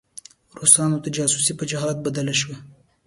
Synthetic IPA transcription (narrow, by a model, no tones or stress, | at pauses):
ɾosɑnot̪ad͡ʒɑsusipəd͡ʒaɦɑt̪̚bad̪alaʃ̬wa